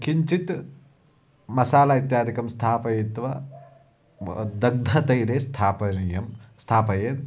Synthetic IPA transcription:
kiɲt͡ʃit̪ | mɐsaːlait̪jaːd̪ʱikɐmst̪ʰaːpɐjit̪ʋɐ | d̪ɐɡ̚d̪ʱɐt̪ɐjɾeːst̪ʰaːpɐniːjɐmst̪ʰaːpɐjeːt̪

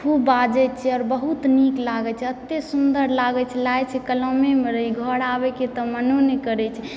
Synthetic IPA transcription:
kʰubad͡ʒɛt͡ʃʰɛɔːɾbəɦut̪niklaɡɛt͡ʃʰɛət̪ːesund̪əɾlaɡɛt͡ʃʰɛlajt͡ʃʰɛkəlɔmemeɾəɦiɡʱəɽabɛket̪ɔmənonekəɾɛt͡ʃʰɛ

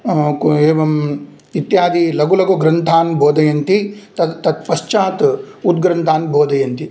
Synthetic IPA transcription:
keːʋɐm | it̪jaːd̪ilɐɡulɐɡoɡɾɐnt̪ʰaːnbʱoːd̪ɐjɐnt̪it̪ɐːɐt̪pɐʃt͡ʃaːt̪ | ud̪̚ɡɾɐnt̪ʰaːnbʱoːd̪ɐjɐnt̪i

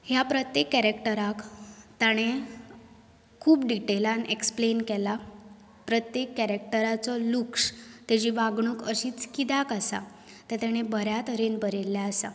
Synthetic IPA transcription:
hjapɾət̪jekːɛɾekʈəɾakt̪aɽ̃e | kʰuːpɖiʈelaneksplenkɛla | pɾət̪jekːɛɾekʈəɾat͡sɔlukʂt̪jad͡ʑiʋaɡɳ̃ukəɕiːt͡skid̪akasa̰ | t̪et̪jaɽ̃ebəɾjat̪əɾenbəɾelːjaəsa

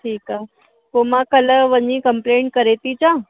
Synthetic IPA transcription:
ʈʰiːka | komakələʋəɲikəmpleɳʈ̚kəɾet̪it͡ɕã

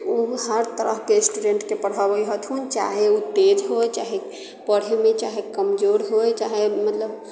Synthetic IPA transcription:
uɦəɾt̪əɾəɦkesʈuɖeɳʈkepəɽɦabəjɦət̪ʰɦunt͡ʃa̰ɦeut̪ed͡ʒɦojt͡ʃaɦe | pəɽ̤emet͡ʃaɦekəmd͡ʒoɾɦojt͡ʃaɦemət̪ləb

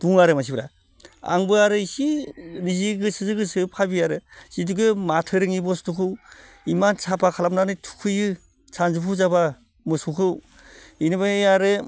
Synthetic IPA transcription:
d̥uŋaɾɯmas̬ibɯɾa | a̰ŋbɯaɾɯsiniziɡɯsɯzɯɡɯsɯpʰabiaɾɯsit̬uɡɯmatʰɯɾɯŋibɔstʰukʰɯw | imansʰapʰakʰalamnanɯtʰu̥kʰɯjɯ | sʰanzupʰuzaba | mɯsukʰɯw | inɯbaejaɾɯ

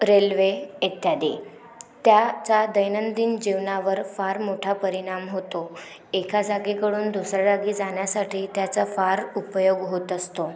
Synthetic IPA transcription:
ɾelʋeet̪jad̪i | t̪jat͡sad̪əjnənd̪ind͡ʑiʋnaʋəɾfaɾmoʈʰapəɾiɽ̃amɦot̪o | ekʰad͡zaɡikəɽuːnd̪usɾad͡zaɡiːd͡zaɳjasaʈʰiːt̪jat͡səfaɾupjoɡɦot̪əst̪o

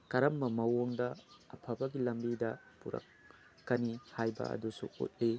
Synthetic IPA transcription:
kɐɾɐmːɐmɐwoŋdɐɐpʰɐbɐɡilɐmbidɐ | puɾɐ̰kː | ɐnihajbɐ̰ɐ̰dusṵṵt̚li

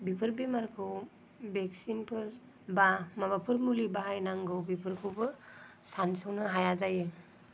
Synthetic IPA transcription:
bipʰɯɾbimaɾkʰɯw | beksinpʰɯɾ | bamabapʰɯɾmulibaɦajnaŋɡɯwbipʰɯɾkʰɯwbɯsansɯwnɯɦajazajɯ

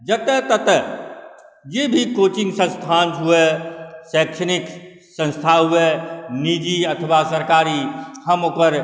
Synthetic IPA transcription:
d͡ʒət̪et̪ət̪ | d͡ʒeːbʱikoːt͡ʃɪ̃ŋɡsə̃nst̪ʰãːnɦuesɛːkʃənɪk | sə̃nst̪ʰaɦueniːd͡ʒiət̪ʰəʋasəɾkaːɾihəmoːkəɾ

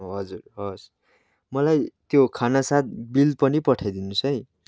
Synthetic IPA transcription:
ɦʌd͡zurɦʌs | mʌlajt̪jokʰanasat̪̚bilpʌnipʌʈʰajd̪inusʌj

